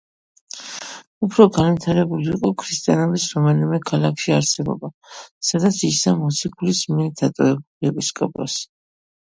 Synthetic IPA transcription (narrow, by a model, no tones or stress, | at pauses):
upʰɾɔɡanvit̪ʰaɾɛbuliːqʼɔkʰɾist̪ʼijanɔbisɾɔmanimɛkʰalˠakʰʃiaɾsɛbɔ̰ba | sad̪at̪sʰisamɔt̪sʰikʰulismiɛɾd̪ʰat̪ʼɔɛbuliɛpʼiskʼɔ̰pʼɔ̰s